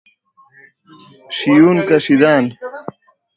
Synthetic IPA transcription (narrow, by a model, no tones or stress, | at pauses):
ɕijuːnkɐɕid̪aːn